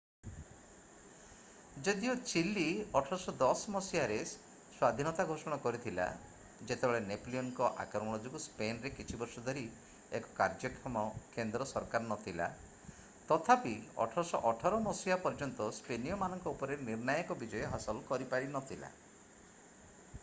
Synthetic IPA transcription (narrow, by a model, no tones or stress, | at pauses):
d͡ʒɔd̪iɔt͡ʃilːiɔʈʰɔɾɔsɔd̪ɔsmɔsiaɾes | swad̪ʱinɔt̪aɡʱosɔɽ̃ɔkɔɾit̪ʰila̰ | d͡ʒet̪ebeɭenepliɔnkɔʔa̰kɾɔmɔɽ̃ɔd͡ʒuɡuspenɾekit͡ʃʰibɔɾsɔd̪ʱɔɾi | ekɔ̥kaɾd͡ʒɔkʰɔmɔkend̪ɾɔsɔɾkaɾɔnɔt̪ʰila̰ | t̪ɔt̪ʰapiɔ̰ʈʰɔɾɔsɔʔɔʈʰɔɾɔmɔsiapɔɾd͡ʒɔnt̪ɔspenijɔmanɔŋkɔupɔɾeɾniɾnajɔkɔbid͡ʒɔjɔɦasɔlkɔɾipaɽinɔt̪ʰila̰